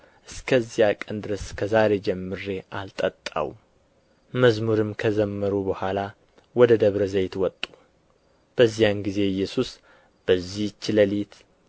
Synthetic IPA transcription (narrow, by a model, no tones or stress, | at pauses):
ʔɨskʰəzːijakʼənd̪ɨɾəskʰəzaɾe̞d͡ʒɛmːɨɾe̞ʔalt̪ʼət̪ʼːa̰w | məzmuɾɨmkʰəzəmːəɾubəhʷala | wɔd̪əd̪əβɾəzəjt̪wɔt̪ʼːu | b̥əzːijanɡize̞jːɛsus | b̥əzːiht͡ʃːɪləlit̪